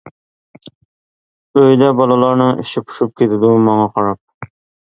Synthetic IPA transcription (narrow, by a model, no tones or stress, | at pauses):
øjd̪ɛbɑlˠɨlˠɑɾnɪŋɪ̰ʃɪpʰʊ̥ʃup̚kʲʰet̪ʰɪd̪umɑŋɑqʰɑɾɑp̚